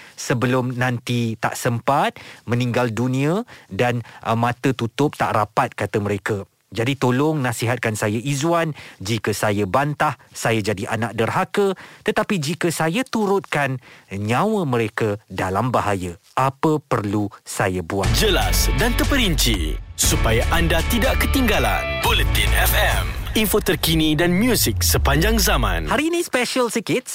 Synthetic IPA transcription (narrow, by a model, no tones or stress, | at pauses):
səbəlʊmnãnt̪it̪a̰ʔsəmpat̪̚mə̃nĩŋɡaldunĩədanəmãt̪ət̪ut̪ʊp̚t̪aʔrapat̪̚kat̪əməɾekə | d͡ʒadit̪olʊŋnãsiɦat̪̚kansajaʔizwand͡ʒikəsajabant̪ahsajad͡ʒadiʔanãk̚dərɦakət̪ət̪apid͡ʒikəsajat̪uɾʊt̪̚kanɲãwəmə̃ɾekədalambaɦajə | ʔapəpərlusajabuad͡ʒəlasdant̪əpəɾiɲt͡ʃḭsupajaʔandat̪idaʔkət̪iŋɡala̰nbolət̪inɛfɛminfot̪ərkinidanmjusɪk̚səpaɲd͡ʒaŋzamã̰nhaɾinĩspɛʃəlsəkit̪̚s